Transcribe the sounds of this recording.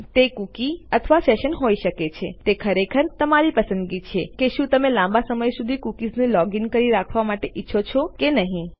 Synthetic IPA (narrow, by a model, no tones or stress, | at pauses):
t̪ekukiət̪ʰʋaseʃənɦojʃəket͡ʃʰet̪ekʰəɾekʰəɾt̪əmaɾipəsə̃nd̪ɡit͡ʃʰekeʃũt̪əmelãmbasəməjsud̪ʱikukid͡ʒnilɔɡinkəɾiɾakʰʋamaʈeʔitːʃʰot͡ʃʰokenəɦĩ